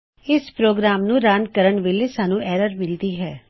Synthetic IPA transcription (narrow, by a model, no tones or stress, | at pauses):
ɪspɾoːɡɾaːmnũːɾãːnkəɾəɳʋɪlesaːnũːʔɛːɾəɾmɪlt̪iɦɛː